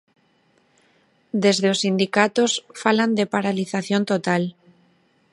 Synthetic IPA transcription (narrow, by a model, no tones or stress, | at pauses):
d̪e̞zðeosːind̪ikat̪osfaland̪epaɾaliθaθjo̞nt̪ot̪al